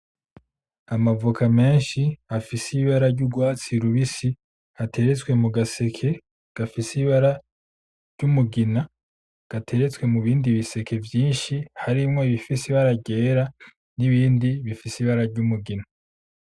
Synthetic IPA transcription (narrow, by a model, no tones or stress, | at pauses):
amavukʰame̞ːnʃiafisiβaɾaɾɟuɡwaːt͡siɾuβisi | atʰe̞ɾe̞t͡swe̞muɡase̞kʰe̞ | ɡ̥afisiβaɾa | ɾɟumuɡina | ɡ̥atʰe̞ɾe̞t͡swe̞muβiːndiβise̞kʰe̞vjiːnʃihaɾimŋo̞iβifisiβaɾaɾɟe̞ːɾa | niβiːndiβifisiβaɾaɾɟumuɡina